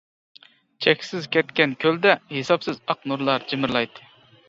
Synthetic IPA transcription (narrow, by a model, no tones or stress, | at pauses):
t͡ʃʰɛkʲsɪzkʲʰɛt̪kʲɛnkʲʰøld̪ɛhesɑpsɪzɑq̚nuɾlˠɑɾd͡ʒɪmɪɾlˠɑjt̪ʰːɨ̥